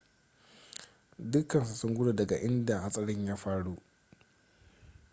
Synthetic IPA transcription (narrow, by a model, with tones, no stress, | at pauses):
dʊ˦kːɐ˨nsa˨sʊ˦ŋɡʷʊ˦ɽe˨dɐ˨ɡa˨ʔɪ˦nda˨ha˦sʼɐ˦ɽɪ˦ɲjaː˦ɸaː˦ɽu˦ʔ